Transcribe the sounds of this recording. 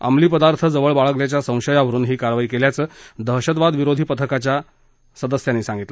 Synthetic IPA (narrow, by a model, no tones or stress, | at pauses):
ə̰mliːpəd̪aɾt̪ʰəd͡zəʋəɭbaɭəɡljat͡ɕjasə̃w̃ɕəjaʋəɾuːnɦiːkaɾʋaiːkeljat͡səːd̪əɦɕəd̪ʋad̪ʋiɾod̪ʱiːpət̪ʰəkat͡ɕja | səd̪əsjanːiːsãŋɡit̪lə